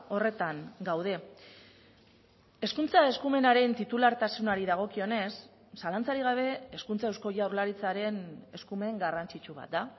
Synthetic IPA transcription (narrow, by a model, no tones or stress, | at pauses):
o̞re̞t̪aŋɡawð̞e̞ | e̞skunt͡sae̞skume̞naɾe̞nt̪it̪ulaɾt̪asunaɾiðaɣ̞o̞kio̞ne̞sː | alant͡saɾiɣaβ̞e̞eskunt͡saewsko̞jauɾlaɾit͡saɾe̞ne̞skume̞ŋɡarant͡sit͡ʃuβ̞a̰t̪̚d̪a